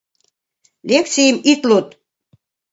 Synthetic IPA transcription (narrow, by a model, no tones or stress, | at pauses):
lekt͡sijəmit̪lut̪